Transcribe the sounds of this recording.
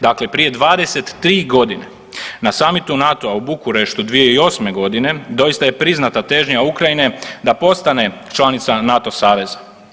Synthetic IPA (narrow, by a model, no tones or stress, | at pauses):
d̪akle̞pɾije̞d̪ʋaːd̪e̞se̞t̪ːɾiːɡo̞d̪ine | nasamit̪unat̪oaubukuɾe̞ʃt̪ud̪ʋije̞io̞sme̞ɡo̞d̪ine̞d̪o̞jist̪aje̞pɾiznat̪at̪e̞ʒɲaukɾajine̞d̪apo̞st̪ane̞t͡ʃlˠanit̪sanat̪o̞saːʋe̞zḁ